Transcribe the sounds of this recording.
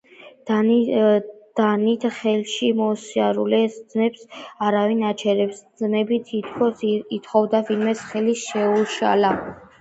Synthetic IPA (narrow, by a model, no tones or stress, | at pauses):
d̪̥anit̪ʰχɛlʃimɔːsiaɾulɛsd̪znɛpsaɾavinat͡ʃʰɛɾɛpsznɛbit̪ʰit̪ʰkʰɔsit̪χɔvd̪avinmɛsχɛlisʃɛuʃa̰la